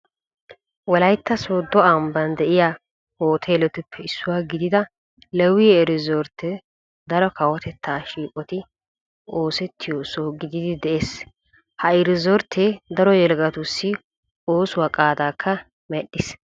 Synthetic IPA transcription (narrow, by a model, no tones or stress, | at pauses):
wɔlɐjt̪ːɐsoːd̪ɔɐmbɐnd̪ɛʔɪjaː | hoːt̪ʰelɔt̪ɪpʰːɛɪsːʊwaːɡɪd̪ɪd̪ɐ | lɛwiːɛɾɪzoːɾt̪ʰːɛ | d̪ɐɾɔkɐwɐt̪ʰɛt̪ʰːaːʃiːkʼɔt̪ɪ | oːsɛt̪ʰːɪjosoɡɪd̪ɪd̪ɪd̪ɛʔe̞ːs | hɐɛɾɪzɔɾt̪ʰːed̪ɐɾɔjɛlɡɐt̪ʊsːɪ | oːsʊwɐkʼaːd̪aːkʰːɐ | mɛɗːɪs